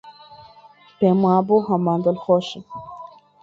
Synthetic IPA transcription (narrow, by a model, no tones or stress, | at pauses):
pɛmwaboɦamand̪ɔlxɔʃi